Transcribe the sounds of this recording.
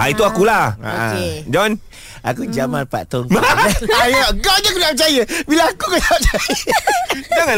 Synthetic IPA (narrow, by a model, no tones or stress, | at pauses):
ʔait̪uakulaa̰oa̰ked͡ʒɔn | ʔa̰kud͡ʒamanpa̰t̪ɔŋmaajaɡaɲakudaap̚t͡ʃajəbilaakukataap̚t͡ʃajə | d͡ʒaŋa